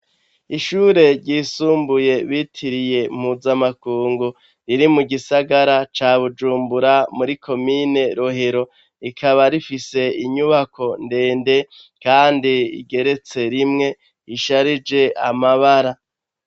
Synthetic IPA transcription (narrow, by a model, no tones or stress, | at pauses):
iʃuːɾe̞ɾɟiːsuːmbuje̞βitʰiɾije̞m̥huzamakuːŋɡu | ɾiɾimuɡisaɡaɾat͡ʃaːβud͡ʒuːmbuɾamuɾikʰo̞mine̞ɾoɦeɾo̞ | ikʰaβaɾifise̞iɲuβako̞nde̞ːnde̞ | kaːndiḭɡe̞ɾe̞t͡se̞ɾimŋe̞ | iʃaɾid͡ʒe̞ʔa̰maβaɾa